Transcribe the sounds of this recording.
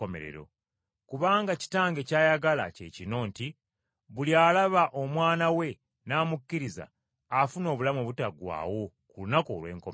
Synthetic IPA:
omeɾḛɾo̞̰ | kuβaːŋɡaci̥taːŋɡe̞caːjaɡala̰ce̞̰cino̞ːnti | βuliaːlaβaʔo̞mwaːnawe̞ | naːmukːiɾiza̰ː | funo̞ːβulamoβutaɡwa̰ːwo̞ | kulunako̰ːlwe̞̰ːŋko

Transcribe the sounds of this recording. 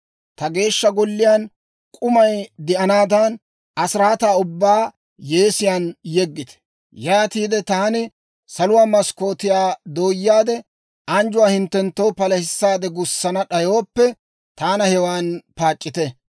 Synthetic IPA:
t̪ɐɡe̞ːʃːɐɡɔlːɪjaːn | kʼʊmɐjd̪ɪʔɐnaːd̪an | ɐsɾaːt̪aːʊbːaː | je̞ːsɪjaːnjɛɡːɪt̪ɛ̥ | jaːt̪iːd̪ɛt̪aːnɪ | sɐlʊwaːmɐsko̞ːt̪ɪjaːd̪o̞ːjːaːd̪ɛ | ɐnd͡ʒʊwaːhɪnt̪ːɛnt̪ːowpɐlɐhɪsːaːd̪ɛɡʊsːɐnɐɗɐjo̞ːpːɛ | t̪aːnɐhɛwaːnpaːt͡ʃʼːɪt̪ɛ

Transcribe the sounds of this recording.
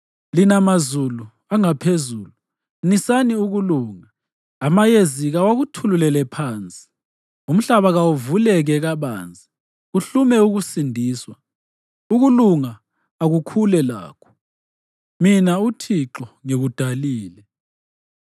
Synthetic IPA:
linamazulu | aŋapʰezuːlu | nisaniuɣuluːŋaː | majeziɣawaɣutʰululɛlɛpʰaːnt͡sʼi̥ | um̩ɬaβaɣawuvulɛɣɛɣaβa̰ːnt͡sʼi̥ | uɬumɛuɣusindʱiːswa | uɣuluŋaː | ɣukʰulɛla̰ːkʰɔ̥ | minautʰiǁɔŋeɣud̥ʱaliːlɛ

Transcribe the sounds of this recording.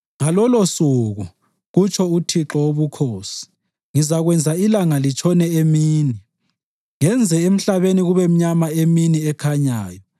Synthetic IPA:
ŋalɔlɔsuɣu | ɣut͡ʃʰʼɔutʰiǁɔwoβukʰoːsi̥ | ŋizaɣwɛnd͡zʱailaŋalit͡ʃʼʰɔnɛemiːni | ŋɛnd͡zʱɛem̩ɬaβeniɣuβɛm̩ɲamaeminiɛkʰaɲaːjɔ

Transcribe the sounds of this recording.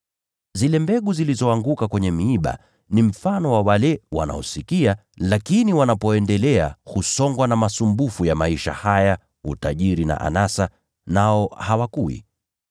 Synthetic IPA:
zilɛmbɛɠuzilizɔaŋɡukakwɛɲɛmiiɓa̰ | nim̩fanɔwawalɛwa̰na̰ɔ̰sikia | lakiniwanapɔɛndɛlɛahusɔŋɡwanamasumbufujamaiʃa̰haja | utaʄiɾina̰ʔa̰nasa | naɔhawakuḭ

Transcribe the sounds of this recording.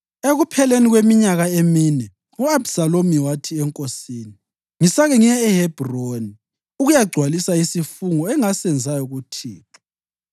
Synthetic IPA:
eɣupʰɛleniɣwemiɲaɣaeminɛ | uabsalomiwatʰiɛŋkʼosiːni | ŋisaɣɛŋijɛːhɛb̥ʱroni | uɣujaɡ͡ǀʱwalisaisifuŋɔɛŋasɛnd͡zʱajɔɣutʰiːtʰḁ

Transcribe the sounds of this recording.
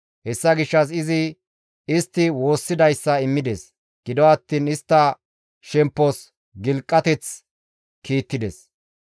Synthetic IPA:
hɛsːɐɡɪʃːɐs̬ɪzɪ | ɪst̪ːɪwo̞ːsːɪd̪ɐjsːɐɪmːɪd̪ɛs | ɡ̥ɪd̪ɔɐt̪ːiːnɪst̪ːɐ | ʃɛmpːɔs | ɡɪlkʼːɐt̪ɛt͡s | kʰiːt̪ːɪd̪ɛs

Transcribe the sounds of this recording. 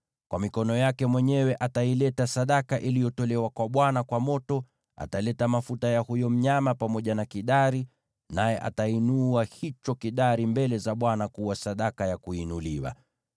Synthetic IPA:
kwʔamikɔnɔjakɛmwɛɲɛwɛʔatailɛtasaɗakaʔilijɔtɔlɛwakwaɓwanakwamɔtɔ | a̰talɛtamafutajahujɔm̩ɲamapamɔʄanakiɗaɾi | najɛʔa̰tainuahit͡ʃɔkiɗaɾimbɛlɛzaɓwanakuwasaɗakajakuinuliwa̰

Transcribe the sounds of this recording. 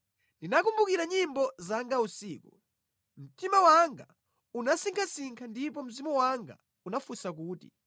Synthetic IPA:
ndinakumbukiɾaɲimbɔzaŋɡausiːku | m̩timawaŋɡa | unasiŋkʰasiŋkʰandip̬ɔm̩zimɔwaŋɡa̰ | unafusak̬uːtḭ

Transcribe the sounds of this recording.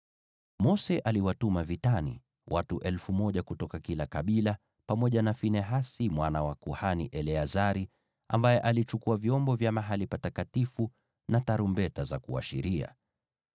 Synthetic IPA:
mɔsɛʔaliwatumavitanḭ | wʔatuʔɛlfumɔʄakutɔkakilakaɓila | pamɔʄanafinɛɦasimwanawakuhaniʔɛlɛazaɾi | a̰mbajɛʔalit͡ʃukuavjɔmbɔvjamaɦalipatakatifu | nataɾumbɛtazakua̰ʃiɾia̰

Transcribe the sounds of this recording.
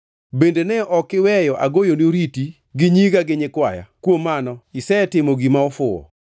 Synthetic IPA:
bendenɛʔɔkɪwɛjɔʔaɡojonioɾiti | ɡɪɲiɡaɡɪɲɪkwaja̰kwomːanɔisɛtɪmoɡimaɔfʊɔ̰

